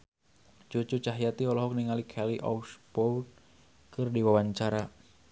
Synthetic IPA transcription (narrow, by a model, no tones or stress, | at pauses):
t͡ʃot͡ʃut͡ʃaɦjat̪iɔlɔɦɔk̚niŋalikʰɛliʔɔ̰uspɔwn | kɨrdiwawaɲt͡ʃaɾa